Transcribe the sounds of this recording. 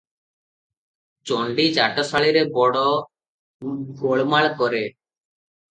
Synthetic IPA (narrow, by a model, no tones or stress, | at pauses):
t͡ʃoɳɖid͡ʒaʈɔsaɭiɾebɔɽɔ | ɡʱoɭmaɭkɔɾe